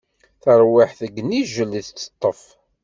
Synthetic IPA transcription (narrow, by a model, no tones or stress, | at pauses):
θəɾˤwiħθəɡniʒəliθt͡sːə̥t̪ˤːəf